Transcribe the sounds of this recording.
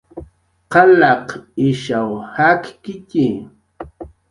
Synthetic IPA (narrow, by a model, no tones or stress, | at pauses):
qɑlɑqɪʃawhakkɪcɪ